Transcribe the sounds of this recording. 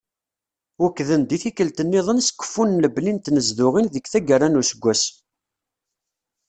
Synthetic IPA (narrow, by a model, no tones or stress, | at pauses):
wukːðənd̪iθikəlt̪ənːɪðˤənskʷːə̥fːunləblint̪nəzðʊʁinðəkθæɡəranusəɡʷːæs